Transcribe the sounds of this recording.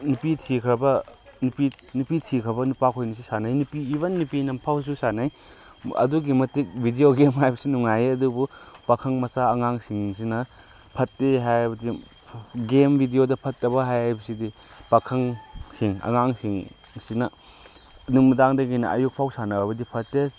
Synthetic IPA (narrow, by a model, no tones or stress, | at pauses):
nupitʰikʰɾɐbɐnupi | nupitʰikʰɾɐbɐnupakʰojnis̬usanajnupiːbɐnːupinɐmpʰawsusanaj | ɐ̰duɡimɐtik̚bʱidioɡemɦajbɐsinuŋajɐdubupɐkʰɐŋmɐsaɐŋaŋsiŋs̬inɐ | pʰɐtːeɦajɐbɐdi | ɡembʱidiodɐpʰɐtːɐbɐɦajajbɐsidi | pɐkʰɐŋsiŋɐ̰ŋaŋsiŋ | sinɐ | nuŋmudaŋdɐɡinɐ̰ʔɐjuk̚pʰawsanɐɐbɐdipʰɐtːe